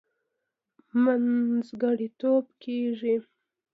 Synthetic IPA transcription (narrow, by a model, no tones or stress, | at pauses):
manzɡaɽit̪obkʰeʐi